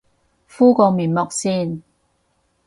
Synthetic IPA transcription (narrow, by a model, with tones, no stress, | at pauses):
fuː˥kɔː˧miː˨˩nmɔː˨k̚siː˥˩n